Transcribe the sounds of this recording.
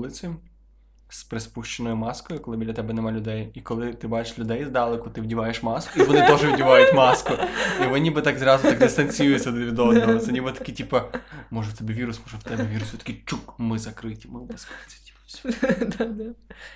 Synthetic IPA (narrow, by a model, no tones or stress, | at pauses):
lˠɪt͡sʲɪ | spɾespuʃt͡ʃenɔjʊmɑskɔjʊkɔlˠɪbʲidlʲɐt̪ɛbɛnɛmɑlʲʊd̪ɛjikɔlˠɪt̪ɪbɑt͡ʃe̥ʃlʲʊd̪ɛjzd̪ɑlˠekʊt̪ɪwdʲiʋɑjeʃmɑskʊiʋɔnɪt̪ɔʒɛʋʲdʲiʋɑjʊtʲmɑskʊiʋnnʲibɨt̪ɑɡzɾɑzʊt̪aɡd̪ɪst̪ɐnʲt͡sʲijujet͡sʲsʲɐd̪ʋʲid̪ɔznɔɦɔt̪sɛnʲibɪt̪ɐ̥kitʲipɐmɔʒɛwt̪ɛbʲiʋʲiɾʊsmɔʒɛwt̪ɛbɛʋʲiɾʊsʲɔt̪ɐ̥kit͡ʃukmɪzɐkɾɪtʲi̥mɪbɪspt͡sʲi̥tʲi̥pʲd̪ad̪a